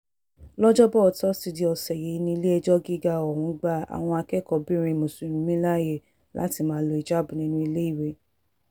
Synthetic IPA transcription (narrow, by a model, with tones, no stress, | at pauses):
lɔ˦d͡ʒɔ˦bɔ˦ɔ˨tɔ˦si˧di˧˦ɔ˨sɛ˨je˨˦nĩ˧i˧le˦ɛ˧d͡ʒɔ˦ɡi˦ɡa˧ɔ˨hũ˨˧˦ɡ͡ba˦a̰˨w̃ɔ̃˧a˧kɛ˦˨kɔ˧bĩ˦ɾ̃ĩ˧mo˨sũ˨˦nũ˧mĩ˦la˦je˦˨ | la̰˦ti˧mãː˦˧lo˧˦i˨d͡ʒa˦bũ˨nĩ˧nũ˧i˧le˦i˦˨we˧˦